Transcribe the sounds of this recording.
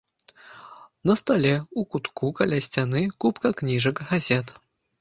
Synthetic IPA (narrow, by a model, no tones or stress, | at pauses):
nɐst̪alʲeukut̪kukɐlʲasʲtʲanɨkupkɐknʲiʐɨkɣɐzʲet̪